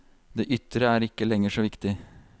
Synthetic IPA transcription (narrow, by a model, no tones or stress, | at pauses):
d̪eːʔʏt̪ːɾəæɾɪkːəlɛŋːəʂɔʋɪkt̪ɪ